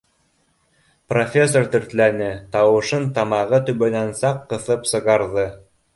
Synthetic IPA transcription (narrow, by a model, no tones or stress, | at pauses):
profʲesːort̪ɵ̆ɾt̪lænɘt̪ɑwɤ̆ʃɤnt̪ɑmɑʁɤt̪ɵ̆βɵnænsɑqːɤ̆θɤpsɤ̆ʁɑɾðɤ